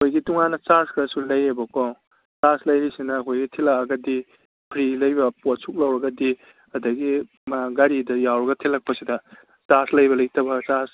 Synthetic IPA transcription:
kʰojɡituŋanɐt͡ʃaɾskʰɾɐsulɐjebɐko | t͡ʃaɾslɐjɾisinɐkʰojɡitʰilakɐɡɐdi | pʰɾilɐjbɐpot̚suk̚lɐwɾɐɡɐdi | ɐdɐɡi | maɡaɾidɐjawɾɐɡɐtʰilːɐk̚pɐsidɐ | t͡ʃaslɐjbɐlɐjtʰɐbɐt͡ʃas

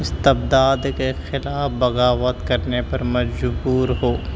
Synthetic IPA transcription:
ɪst̪ɪbd̪aːd̪kexɪlaːfbɐɣaːʋət̪kɐɾnepɐɾmɐd͡ʒbuːɾɦoː

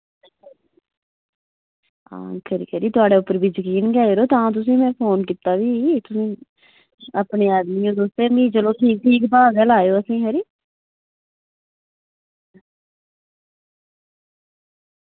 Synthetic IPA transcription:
ã̰ːkəɾḭːkəɾiːt̪ʊaːɽeːʊpːəɾbʱiːd͡ʒəkiːnɡɛːɾoːt̪ãːt̪̬ʊs̬ĩːmɛ̃ːpʰoːnkɪt̪aːʋiːt̪ʊsĩː | əpɳeːaːd̪miːõːd̪oːst̪eːmĩːd͡ʒəloːʈʰiːk̚ʈʰiːkbaːɡəlaːjoːəsĩːɦəɾiː

